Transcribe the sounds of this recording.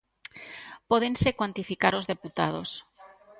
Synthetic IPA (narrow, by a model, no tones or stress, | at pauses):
poðensekwant̪ifikaɾo̞zðe̞put̪að̞o̞̰s